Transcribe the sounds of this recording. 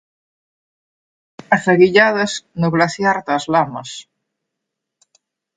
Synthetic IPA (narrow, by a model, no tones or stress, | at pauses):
aθaɣiʎað̞ɐsnoɣlaθjaɾt̪azlamɐs